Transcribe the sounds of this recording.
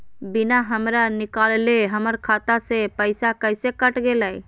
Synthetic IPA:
binaɦəmɾanikalleɦəməɾkʰat̪asẽpəɪsakəjsekəʈɡelɛj

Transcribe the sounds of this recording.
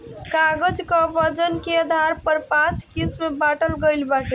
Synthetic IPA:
kaɡəd͡ʒkəbəd͡ʒənkeəd̪ʱaɾpəɾpãt͡ʃkismebaʈəlɡəjlbaʈi

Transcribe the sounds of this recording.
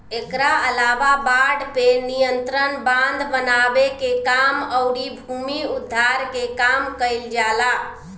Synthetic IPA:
ekɾaəlaʋabaɖpenijənt̪ɾənbãnd̪bənabekekaməʊɽibʱumiud̪ʱːaɾkekamkəjld͡ʒala

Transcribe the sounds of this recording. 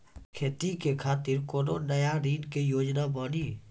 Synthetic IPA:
kʰeːt̪ikekʰaːt̪ɪɾkoːnoːnəjaɾiːnkejoːd͡ʒnabaːniː

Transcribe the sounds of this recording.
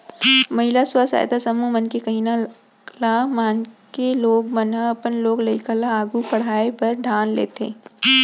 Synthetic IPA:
mɐɦɪlaswasa̰ːjt̪asɐmumənkekɐɦina | lamaːnkeloːɡmənaɐpənloːɡlɐɪkəlaaːɡupɐɽ̤aːepɐɾɖʱaːnlḛːt̪ḛː

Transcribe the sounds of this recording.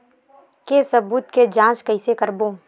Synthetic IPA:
kesɐbuːt̪ked͡ʒãːt͡ʃkɐɪsekəɾboː

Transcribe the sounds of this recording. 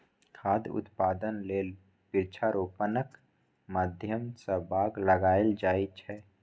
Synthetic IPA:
kʰaːd̪ʊ̰t̪paːd̪ənleːl | pɪɾt͡ʃʰaɾoːpənək | maːd̪ʱjəmsəbʱaːɡləɡaːeld͡ʒaːit͡ʃʰɛ

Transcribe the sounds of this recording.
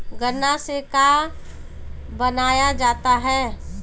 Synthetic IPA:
ɡənaseka | bənaːjad͡ʒaːt̪aɦɛː

